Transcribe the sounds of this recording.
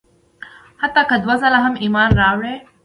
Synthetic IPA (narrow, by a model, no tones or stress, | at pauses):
hɐt̪akəd̪wasɐlaɦɐmimaːnɾaːʋɭe